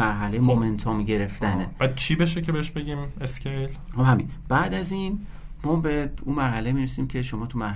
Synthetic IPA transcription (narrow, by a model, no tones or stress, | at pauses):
æɾɦælejemome̞nt̪ʰɒːmɟe̞ɾe̞ft̪ænebæd̪̥̚t͡ʃʰibe̞ʃecʰebeeʃbe̞ɡiːmescʰejlxohæminb̥æʔd̪æziːn | mɒːbeuːmæɾhælemiːɾesiːmcʲʰe̞ʃomɒːt̪ʰumæɾh